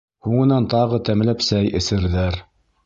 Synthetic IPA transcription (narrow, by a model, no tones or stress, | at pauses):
huŋɤ̆nɑnt̪ɑʁɤt̪æmlæpsæjʔɘ̆sɘ̆ɾðæɾ